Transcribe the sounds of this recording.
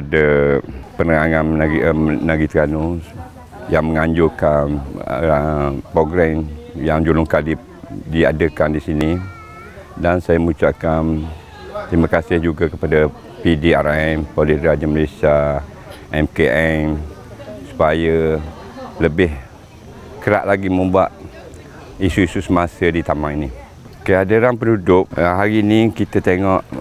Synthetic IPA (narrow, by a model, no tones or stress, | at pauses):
adəpənəŋaŋãn | naɡit̪ɾanu | jaŋməŋaɲd͡ʒʊkan | pɾoɡɾɛmjaŋd͡ʒulʊŋkali | diadəkandisini | dansajaməut͡ʃaʔkan | t̪ɾimãkasɪhd͡ʒuɡakəpada | pidiaɾɛmpolɪɾad͡ʒaməlesia | ʔɛmkeʔɛm | su̥pajə | ləbɪh | kəɾa̰ʔlaɡimə̃mbuaʔ | isuisusəmasədit̪amaŋini | kəadəɾanpənudʊp̚ɦaɾinikit̪ət̪eŋɔʔ